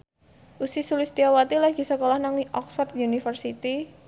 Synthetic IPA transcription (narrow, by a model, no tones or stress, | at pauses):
ʔusisulɪst̪iawat̪ilaɡ̥i̤səkolahnaŋiʔɔksfɔrt̪̚unifərsit̪i